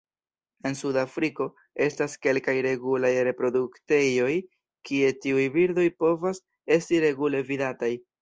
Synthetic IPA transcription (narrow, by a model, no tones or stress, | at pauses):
e̞nsudafɾiko̞ | e̞staske̞lkajɾe̞ɡulajɾe̞pɾo̞dukte̞jo̞j | kie̞tiujbiɾdo̞jpo̞vas | e̞stiɾe̞ɡule̞vidataj